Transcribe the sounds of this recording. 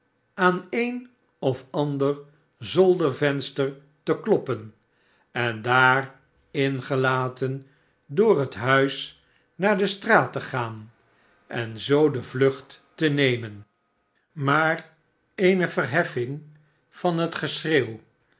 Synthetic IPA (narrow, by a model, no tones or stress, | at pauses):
aːnejn | ɔfɑndər | zɔlˠdəɹvɛnstər | təklɔpən | ɛndaːr | ɪnχəlaːtən | dʊːrɦətɦœɥs | naːɹdəstraːtəχaːn | ʔɛnzowdəvlɵχtː | ənejmən | maːr | ejnəvərɦɛfɪŋ | v̥ɑnɦətχəsreːw